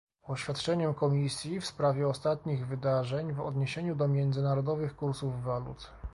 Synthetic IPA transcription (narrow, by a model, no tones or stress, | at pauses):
ɔɕfʲat̪t͡ʂɛɲɛmkɔmʲisʲjifspɾavʲjɛɔst̪at̪ɲiɣvɘd̪aʐɛɲvɔ̰d̪ɲeɕeɲud̪ɔmʲjɛnd̪zɘnaɾɔd̪ɔvɘxkuɾsuvːalṵt̪